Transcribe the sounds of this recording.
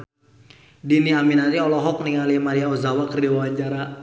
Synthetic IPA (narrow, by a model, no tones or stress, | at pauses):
diniaminaɾiɔlɔɦɔk̚niŋaliamaɾiaɔzawakərdiwawaɲd͡ʒaɾa